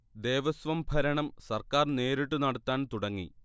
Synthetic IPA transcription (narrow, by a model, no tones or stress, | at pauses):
d̪e̞ːʋɐsʋɐmbʱɐɾɐɳɐmsɐrkaːrne̞ːɾiʈ̬ːunɐɽɐt̪ːaːnt̪uɽɐŋːḭ